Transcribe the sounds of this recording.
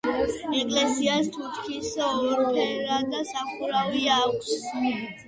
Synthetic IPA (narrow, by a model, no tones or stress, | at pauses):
ɛkʼlɛsiast̪ʰut̪ʰkʰisɔd̪ipʰɛɾad̪asaχuɾaviakʰʼs